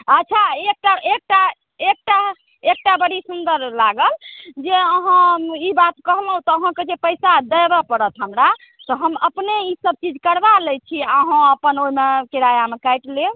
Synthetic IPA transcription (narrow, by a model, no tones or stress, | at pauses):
ətːt͡ʃʰaek̚ʈaek̚ʈa | ek̚ʈa | ek̚ʈabəɽisund̪əɾlaɡəld͡ʒeəɦãibat̪kəɦlɦũt̪ɔːɦãked͡ʒepəjsad̪əjbəpəɾət̪ɦəmɾa | t̪ɔɦəməpneisəb̚t͡ʃid͡ʒkəɾbalɛt͡ʃʰiəɦãəpənoimekiɾajamekajʈle